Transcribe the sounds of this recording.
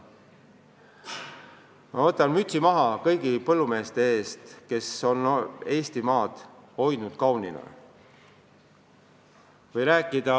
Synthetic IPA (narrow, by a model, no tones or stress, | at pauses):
mɑot̪ːˑɑnmyt̪ʲsimɑɦɑkɤ̞jɡ̥ipɤlːume̞ːst̪e̞e̞ːst̪ke̞so̞ne̞ːst̪imɑːd̪̥ho̞jd̪nud̪̥kɑwnḭnɑ̰ | vɤjɾæːkːˑid̪̥ɑ